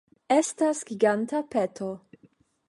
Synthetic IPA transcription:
estasɡiɡantapetʰo

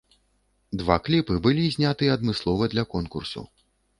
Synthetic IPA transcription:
d̪vaklʲipɨbɨlʲizʲnʲat̪ɨɛɐd̪mɨslˠɔvɐd̪lʲɐkɔnkursṵ

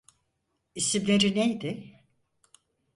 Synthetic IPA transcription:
isimlʲeɾinejd̪ɪ

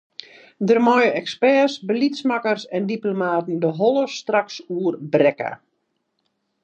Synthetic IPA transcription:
dərmɔjəɛkspɛsbəlitsmakərsɛndiplomaːtn̩dəɦɔlˠəstraksuərbrɛkə̰

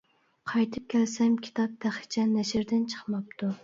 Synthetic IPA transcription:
qʰɑjt̪ʰɨp̚kʲʰælsɛmkʲʰi̥t̪ʰɑp̚d̪æχɪ̥t͡ʃʰɛnæʃɪɾd̪ɪnt͡ʃʰə̥χmɑp̚t̪ʰu

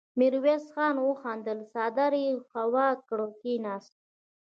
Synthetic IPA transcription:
miɾwesxɑːnwəxɑnd̪əlsɑd̪aɾixawɑkɽokinɑːst̪̚

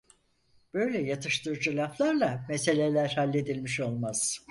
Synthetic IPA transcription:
b̥ø̞jlʲɛjat̪ʰɯʃt̪ɯɾd͡ʒɯlʲˠaflˠaɾlˠamese̞lʲelʲæɾhalʲːe̞d̪ilʲmiʃo̞lˠmaz̥

